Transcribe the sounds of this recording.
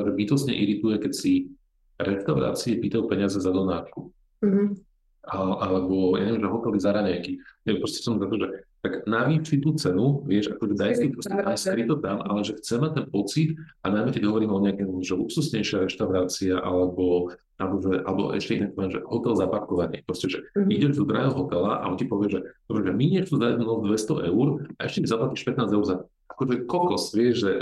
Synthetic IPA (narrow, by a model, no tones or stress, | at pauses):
ʒɛbit̪ɔsɲɛ̰ʔiɾit̪ujɛkɛcsi | ɾɛʃt̪aʊɾa̰ːt͡siɛpiːt̪ajupɛɲɪazɛzad̪ɔnaːʃku | aʔalɛbɔja̰ɲɛʋimʒɛɦɔt̪ɛlɛzaɾaɲɛjkiɛpɾɔscɛ̥sɔmzat̪ɔʒɛt̪aɡnaʋifit̪uːt͡sɛnuʋɪɛʃakɔʒɛd̪ajskip̪ɾɔsɛajskɾit̪ɔt̪amʔa̰lɛʒɛxt͡sɛmac̚t̪ɛnpɔt͡sit̪anajmɛkɛɟɦɔʋɔɾiːmɔɲɪakɛːmʒɛupsusɲɛjʃɪaɾɛʃt̪aʊɾaːt͡siaʔa̰lɛbɔ | ʔalɛbɔʒɛʔa̰lɛbɔ̰ʔɛ̰ʃcɛinakp̪pɔʋjɛmʒɛ̰ɦɔt̪ɛlzapaɾkɔʋaɲɪɛpɾɔscɛʒɛiɟɛʒt̪ud̪ɾa̰ɛlɦɔt̪ɛlaʔa̰ɔncipɔʋɪɛʒɛd̪ɔbɾɛʒɛmiɲɛxt͡suzad̪nɔzd̪ʋɛst̪ɔʔɛuɾaɛʃcɛmizaplaciʃpɛt̪naːd͡zɛuɾza | akɔt̪ɔjɛkɔklsʋɪɛʒʒɛ